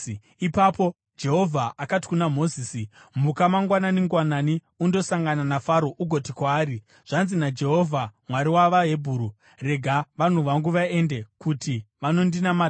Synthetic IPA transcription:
ipapo̞ | d͡ʒe̞ɦo̞vʱaʔakati̥kunamo̞ziːsim̤ukamaŋɡwananiŋɡwanani | undo̞saŋɡananafaɾo̞ʔuɡʱo̞tikwaːɾi | ʐ̥anzinad͡ʒe̞ɦovʱamwaɾiwaʋaɦe̞bʱuːɾu | re̞ɡʱaʋan̤uʋaŋɡuʋae̞nde̞kutiʋano̞ndinama

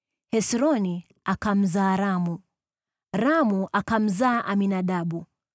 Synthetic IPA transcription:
hɛsɾɔni | akam̩zaːɾamu | ɾamuʔakam̩zaːʔaminaɗaɓu

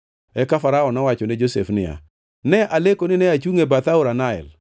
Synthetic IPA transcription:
ɛkafaɾaɔnɔwat͡ʃɔned͡ʒosefnɪja̰ | nɛʔalekonɪnɛat͡ʃuŋebat̪aʊɾanaɛ̰l

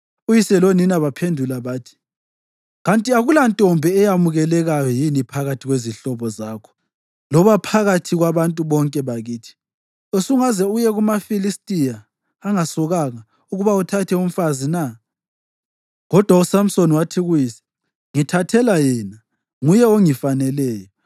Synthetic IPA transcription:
ujisɛloninaβapʰendʱulaβaːtʰi̥ | ɣantʼiaɣulantʼɔmbʱɛɛjamuɣɛlɛɣajɔjinipʰaɣatʰiɣweziɬɔβɔzaːkʰɔ̥ | lɔβapʰaɣatʰiɣwaβantʼuβɔŋkʼɛβaɣiːtʰi̥ | osuŋazɛujɛɣumafilistʼijaː | ŋasɔɣaɣa | uɣuβautʰatʰɛum̩fazina | ɣɔd̥ʱwausam̩soniwatʰiɣujiːsɛ̥ | ŋitʰatʰɛlajɛna | ŋujɛoŋifanɛlɛːjɔ

